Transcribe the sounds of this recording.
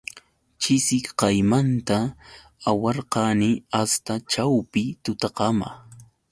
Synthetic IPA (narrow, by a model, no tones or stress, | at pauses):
t͡ʃɪsɪkqɑjmant̪a | awɑɾqɑnɪast̪at͡ʃawpɪt̪ʊt̪ɑqɑma̰